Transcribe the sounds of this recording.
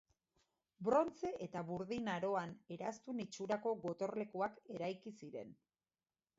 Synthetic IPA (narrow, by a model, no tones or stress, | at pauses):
bɾo̞nt͡se̞ʔet̪aβuɾðinaɾo̞ane̞ɾast̪unit͡ʃuɾako̞ɣo̞t̪o̞ɾle̞kuake̞ɾajkisiɾe̞̰n